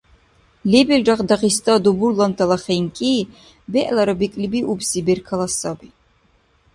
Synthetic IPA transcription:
lɛbɛlɾaqd̪aχist̪ʼad̪ɔbuɾlˠant̪ʰʼalˠaχɛjŋkʼiː | bɛʔlaɾɔbikʼlibiʔubsibɛɾkʰalˠasabi

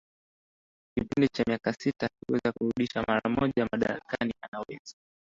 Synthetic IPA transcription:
kipindit͡ʃamiakasitakiwɛzakuɾuɗiʃamaɾamɔʄamaɗaɾakanianawɛza

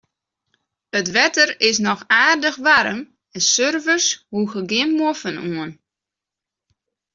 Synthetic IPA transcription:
ətʋɛtərɪs̬nɔxaːrdəxʋaɾəm | ɛnsørvərshuxəɡɪmmːofənuən

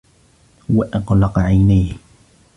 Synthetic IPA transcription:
waʔɑɣlɑqʕajnaːh

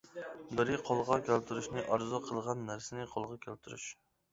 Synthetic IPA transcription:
bɪɾɪqʰolˠʁɑkʲʰælt̪ʰuɾuʃnɪʔɑɾzʊqʰəlˠʁɑnːæɾsɪnɪqʰolˠʁɑkʲʰælt̪ʰuɾy̰ʃ

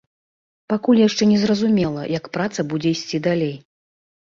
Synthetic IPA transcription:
pakulʲjaʂt͡ʂɛnʲɛzrɐzumʲɛlˠɐ̰jɐkpɾat̪sɐbud͡zʲɛisʲt͡sʲid̪alʲej

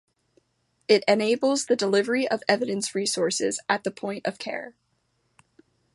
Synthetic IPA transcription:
ɪɾɨneɪbl̩ˠzðɨdəlɪvə˞iʔʌvɛvɨɾɨ̃nsɹisɔɹsɪ̰zɨt̪̚ðəpʰɔ̃ɪ̃ntʌv̥kʰɛ̰ɹ

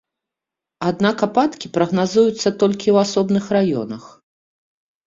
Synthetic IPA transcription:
ad̪nakapat̪kʲipɾɐɣnazujut̪sːɐt̪ɔlʲkʲiwasɔbnɨxrajɔ̰nɐx

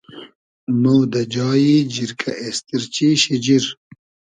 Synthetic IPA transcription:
mowd̪ɐd͡ʑaːjid͡ʑiɾkʰɐʔest̪iɾt͡ɕiːɕid͡ʑiɾ

